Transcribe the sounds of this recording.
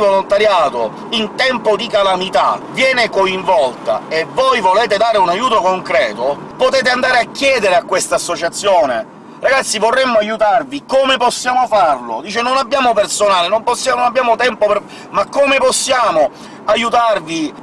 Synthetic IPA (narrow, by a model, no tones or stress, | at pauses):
volont̪aɾjaːt̪o | int̪ɛmpod̪ikalamit̪a̰vjɛːnekoiɱvɔlt̪a̰evːojvoleːt̪ed̪aːɾeunajːuːt̪okoŋkɾɛːt̪opot̪ɛːt̪̬eand̪aːɾeakːjɛːd̪eɾeakːwest̪aːsːot͡ʃat̪sːjoːne | raɡat̪sːivorːemːoajut̪arvikomeposːjaːmofarlo̰d̪iːt͡ʃenonabːjaːmopersonaːlenomposːjannabːjaːmot̪ɛmpope | makːomeposːjaːmo | ajut̪arvi